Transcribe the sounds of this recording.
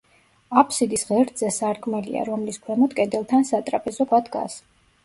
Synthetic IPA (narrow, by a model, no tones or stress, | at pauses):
apʰsid̪isʁɛɾd̪z̥ɛsaɾkʼmɛlḭa̰ɾɔmliskʰwɛmɔd̪kʼɛd̪ɛlˠt̪ʰansat̪ʼɾapʼɛzɔkwad̪ɡa̰s